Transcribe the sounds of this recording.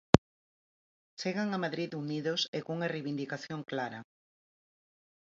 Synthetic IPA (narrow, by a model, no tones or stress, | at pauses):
t͡ʃeɣaŋamaðɾiðuniðosekouŋɐrejβind̪ikaθjoŋklaɾɐ